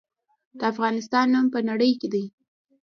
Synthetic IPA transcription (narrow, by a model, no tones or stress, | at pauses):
d̪̥əafɣɑnɪs̬t̪ɑnːumpənaɽəjked̪aj